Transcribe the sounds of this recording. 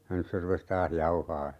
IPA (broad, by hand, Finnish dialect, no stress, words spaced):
jɑ nys se rupes tɑːh jɑuhɑː